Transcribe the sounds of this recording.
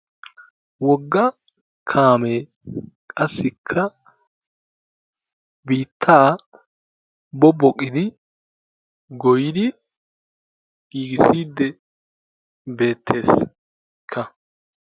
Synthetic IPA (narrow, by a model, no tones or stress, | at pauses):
wɔɡːɐ | kʰaːme | kʼɐsːɪkʰːɐ | biːt̪ʰːaː | bɔbɔkʼːɪd̪ɪ | ɡɔjɪd̪ɪ | ɡ̥iːɡɪsiːd̪ːɛ | be̞ːt̪ʰːe̞ːs | kʰːɐ